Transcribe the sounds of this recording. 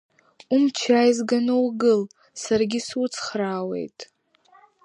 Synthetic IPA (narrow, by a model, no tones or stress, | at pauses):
umt͡ʃʰajizɡanɨwɡɨl | sarɡʲisut͡sʰχraːwe̞̰jtʼ